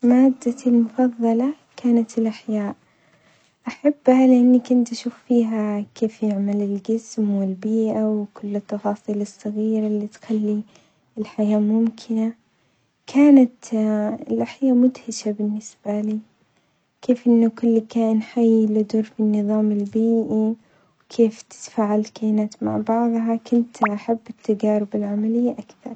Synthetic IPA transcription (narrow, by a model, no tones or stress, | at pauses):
maːd̪ːalmʊfɑðˤːɑlɑ | kaːnat̪ɪlʔaħjaːʔ | ʔaħabːhalɪʔanːakʊnt̪ʔaʃuːfːiːɦakeːfjɪʕmalɪlɡɪsmwɪlbiːʔawkʊlːɨt̪ːɑfɑːsˤiːlɨsˤːɑɣiːɾalːit̪xalːi | ɪlħajaːmʊmkʰɪna | kʰaːnat̪ɪlʔaħjaːmʊd̪hɪʃabɪnːɪsb̥aliː | kʰeːfʔɪnːʊkʊlːkaːʔɪnħajːlʊd̪ʊɾfinːɨðˤɑːmɪlbiːʔi | wkʰeːft̪ɪ̥t̪faːʕalkaːnat̪ma̰ʕbɑʕðˤɦɑkʊnt̪ʔaħabːɪt̪ːad͡ʒaːɾɪbɪlʕamalɪjːaʔakθɑ̰ɾˤ